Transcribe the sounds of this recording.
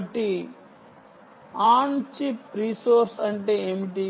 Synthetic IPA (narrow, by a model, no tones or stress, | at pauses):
ʈi | aːɳt͡ʃipɾiːsoːɾsɐɳʈe̞ːeːmiʈi